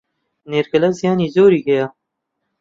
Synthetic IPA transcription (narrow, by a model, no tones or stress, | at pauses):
neɾkɐlazjɑːnizoːɾiɡɐjaː